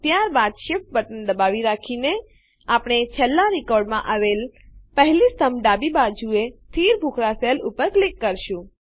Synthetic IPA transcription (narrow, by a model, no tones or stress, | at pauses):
t̪jaɾbad̪ʃɪp̚ʋəʈənd̪əbaʋiɾakʰine | apɳ̃et͡ʃʰəlːaɾikɔɾɖmãʔaʋelpəɦlist̪əmɖabibad͡ʒuet̪ʰiɾbʱukʰɾaselupəɾklikːəɾʃũ